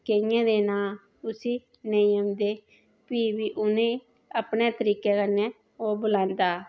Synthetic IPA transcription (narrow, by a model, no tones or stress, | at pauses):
keɪjãːd̪eːnãː | ʊsiː | neəmd̪eː | piːbiːʔʊnẽː | əpneːt̪əɾiːkɛːkənɛ̃ː | oːbʊlãːnd̪aː